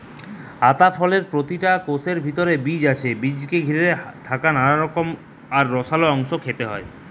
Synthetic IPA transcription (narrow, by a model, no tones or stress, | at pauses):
at̪afʰɔleɾpɾot̪iʈakoseɾbʱit̪oɾebid͡ʑat͡ɕʰebid͡ʑkeɡʱiɾet̪ʰakananaɾɔkom | aɾːɔsaloɔŋʃokʰet̪eɦɔe